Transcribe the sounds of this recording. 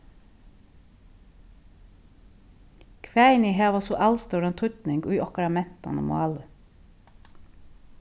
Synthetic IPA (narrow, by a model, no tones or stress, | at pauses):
kʰʋæɪniːhæːʋɑːsoʔɑlst̪ɔɾɑnt̪ʰʉt̪nɪŋɡʉʔɔkɑɾɑːmɛnt̪ɑ̰nə̰mɑːlə